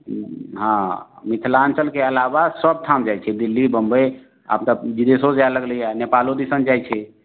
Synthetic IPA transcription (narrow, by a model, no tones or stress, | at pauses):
ɦãmit̪ʰlant͡ʃəlkeəlabasəb̚t̪ʰamd͡ʒajt͡ʃʰɛd̪ilːibəmbəj | a̰pt̪əd͡ʒid̪esod͡ʒaaləɡləjanepalod̪isənd͡ʒajt͡ʃʰɛ